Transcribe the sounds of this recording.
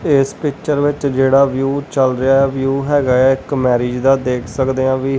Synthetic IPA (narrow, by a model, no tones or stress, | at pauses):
ɪspɪkt͡ʃəɾʋɪt͡ʃd͡ʒeːɽaːʋjuːt͡ʃəlɾɪjaːɛʋjuːɦɛːɡaɛːɪkmɛːɾiːd͡ʒd̪aːd̪eːkʰsəkd̪eːãːʋiː